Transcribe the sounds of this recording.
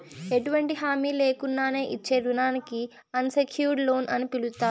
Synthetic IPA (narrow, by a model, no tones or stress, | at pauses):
eʈuʋɐɳʈiɦaːmiːle̞ːkunːaːne̞ːʔit͡ʃːe̞ːɾunaːniki | ɐnsekʰjuːɾɖlo̞ːnʔɐnipilut̪ːaː